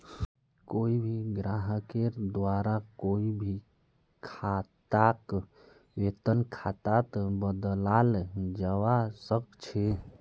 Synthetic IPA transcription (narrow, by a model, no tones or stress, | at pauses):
koibʱiɡɾaɦəked̪waɾakoibʱi | kʰat̪ak | ʋet̪ənkʰat̪at̪bəd̪lald͡ʒəwasəkt͡ʃʰe